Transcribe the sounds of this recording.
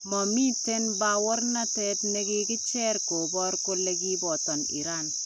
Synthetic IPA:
mɔ˨mi˦te˦nba˨wɔ˦ɾna˦tɛ˨tne˦ki˦ɡɪ˦t͡ʃɛ˦ɾko˨bɔ˦ɾko˦le˦ɡi˦bɔ˨tɔ˨nḭ˨ɾa˦n

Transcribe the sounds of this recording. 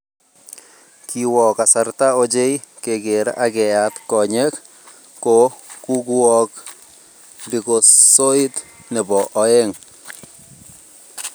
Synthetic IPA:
kiwɔ˨ka˨sartao˦d͡ʒe˦i | ke˨ɡe˨ɾa̰ʔakɛ˨atkɔ˨ɲɛkː | oku˦ku˦ɔ˦k | li˨ko˨so˦i˦tnɛ˨bɔ˨ʔɔe˦ŋ

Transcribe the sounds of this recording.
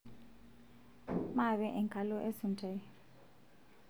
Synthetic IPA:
ma˦˨βɛ˦ʔɛ˨ŋkʰʼa˨lɔ˦ʔe˦su˨ntʼɛ˨˦

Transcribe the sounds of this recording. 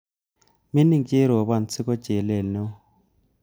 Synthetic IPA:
mi˦ni˦ŋke˦ɾɔ˨βa˨n̩˨t͡sʰɪ˦kɔ˦t͡ʃe˨lɛ˨lnɛ˦

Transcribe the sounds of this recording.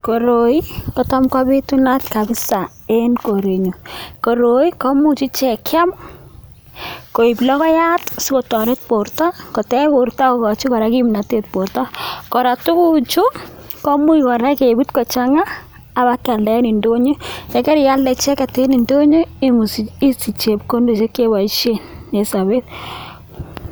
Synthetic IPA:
ko˨ɾo˨i˦kɔ˨tɔ˦mka˦be˦tu˦na˦tka˨bɪ˦sa˨ | e˦nko˨ɾe˨ɲo˨ko˨ɾo˨i˦kɔ˦mu˦t͡ʃi˦t͡ʃɛ˨ka˦m | ko˨i˨blɔ˦kɔ˦ja˦tsɪ˦ko˨tɔ˨ɾe˦t̚po˨ɾtɔ˦kɔ˨tɛ˦bo˨ɾta˦o˦kɔ˨t͡ʃi˦kɔ˨ɾa˨˦ki˦mna˨te˨t̚po˨ɾtɔ˦kɔ˨ɾa˨tʊ˦ku˦t͡ʃu˦ | kɔ˦mu˦ikɔ˨ɾa˦ke˨bu˦tkɔ˨t͡ʃa˦ŋaː˦˨ | ba˦ka˨ldɛ˨˦ni˨ndo˦ɲe˦jɛ˨˦kɛ˦ɾja˦lɛ˨t͡ʃɛ˦ka˨te˦ni˨ndo˦ɲe˦m˨i˦si˨t͡ʃe˨p̚ko˦ndo˨t͡ʃe˦ke˦ba˨˦ʃe˦ne˨sa˨βe˦t̚

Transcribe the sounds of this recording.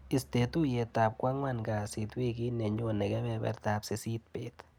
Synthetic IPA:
i˨ste˨tu˦je˨ta˨p̚kwa˦ŋwa˦˨nɡa˨si˨twi˦ki˦nɛ˨ɲo˦nɛ˨kɛ˦bɛbɛ̰˨rt̪a˨pse˨si˦t̚pe˦t̪

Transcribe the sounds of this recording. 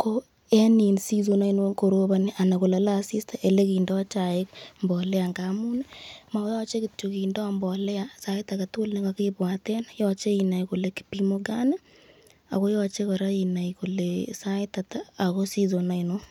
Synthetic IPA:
ko˦ | ɛ˦ni˨nsi˦zo˨na˦i˦no˦ko˨ɾo˦ba˦ni˦ʔa˨na˨ko˨la˨˦la˦˨si˦sta˨ʔe˨le˦ki˨ndɔ˦t͡ʃa˨ɪ˦kmbɔ˨lɛ˦a˨ŋɡa˨mu˦ne˦ma˨˦jɔ˦t͡ʃe˦kɪ˨to˨ki˨ndɔ˦mbɔ˨lɛ˦asa˦ɪ˦ta˨ka˨to˦lne˦ŋa˨ki˦pwa˨tɛ˦njɔ˦t͡ʃe˦i˨na˨jko˨le˨ki̥˨pi˦mo˦ɡa˦ne˦ | a̰˨ko˦jɔ˦t͡ʃe˦kɔ˨ɾa˦i˨na˨iko˨lesa˦ɪta˨taː˦˨ko˦si˦zo˨na˦ɪ˨no˦

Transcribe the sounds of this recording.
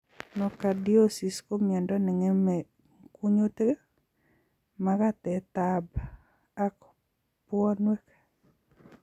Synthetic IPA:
nɔ˨ka˨di˦o˦si˨sko˦mjɛ˨ndɔ˦nɛ˨ŋɛ˦mɛ˨ | ku˦ɲo˦t̪e˦ | maka˦t̪ɛ˨t̪ab | a˦k | pwɔ˦nwɛ˦kḁ

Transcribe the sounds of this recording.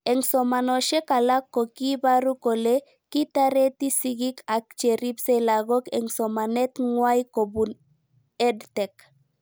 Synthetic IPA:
e˨ŋsɔma˨no˨ʃe˦ka˨la˦kːo˨ki˦ba˦ɾu˦ko˨le˦ | ki˦t̪aɾe˦t̪i˦siɡika˨k̚t͡ʃe˨ɾi˦bselaɣo˦kɛ˨ŋsɔ˨ma˨nɛ˦t̪ŋwajko˨bu˨n | ɛ˦dte˨k

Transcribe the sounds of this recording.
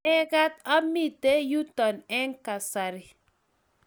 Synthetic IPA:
ɛ˦ɡa˦t̪̚a˦mi˦˨te˦ju˦tɔ˨nɛ˦ŋka˨sa˨ɾɪ˦

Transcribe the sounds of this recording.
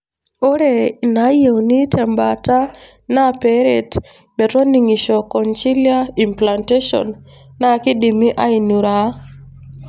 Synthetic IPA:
o˦ɾe˨na˨˦je˨wni˦tʰɛ˨mbata˦ | na˦pe˦ɾe˨t | mɛ˨tɔ˦ni˨ŋi˨ʃɔ˨kɔ˨nt͡ʃi˦lia˦i˨mpla˨nte˦ʃɔ̰˨nː | a˦kɪ˦di˨mi˦ʔa˦i˨nu˨ɾa˨˦

